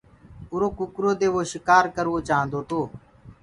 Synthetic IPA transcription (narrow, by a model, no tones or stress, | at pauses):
ʊɾoːkʊkɾoːd̪eːʋoːʃɪkaːɾkəɾʋoːt͡ʃaːə̃nd̪oːt̪oː